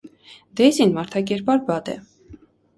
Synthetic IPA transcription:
d̪ɛzinmɑɾt̪ʰɑkɛɾpɑɾbɑd̪ɛ̰

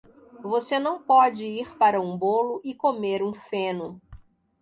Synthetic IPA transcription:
vosenɐ̃w̃pɔd͡ʒɪiɾpaɾɐũbolʊʔɪkomeɾũfẽnʊ

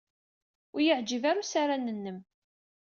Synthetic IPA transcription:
ʊjəʕd͡ʒivaɾusaɾanːənːəm

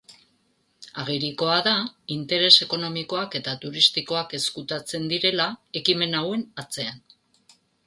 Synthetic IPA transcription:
aɣ̞iɾiko̞aðaint̪e̞ɾe̞se̞ko̞no̞miko̞ake̞t̪at̪uɾist̪iko̞ake̞skut̪at͡se̞nd̪iɾe̞lae̞kime̞nawe̞nat͡se̞an

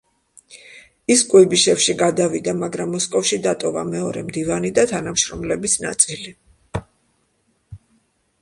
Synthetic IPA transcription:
iskʼwɛbiʃɛfʃiɡad̪avid̪amaɡɾamːɔskʼɔfʃid̪at̪ʼɔva̰mɛɔɾɛmd̪ivanid̪at̪ʰanamʃɾɔmlɛbisna̰t̪sʼili

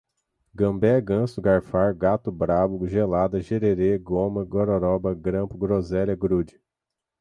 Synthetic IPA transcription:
ɡɐ̃mbɛɡɐ̃sʊɡaɾfaɾɡat̪ʊbɾabʊʒelad̪ɐʒeɾeɾeɡõmɐɡoɾoɾɔbɐɡɾɐ̃pʊɡɾozɛlʲɐɡɾud͡ʒɪ

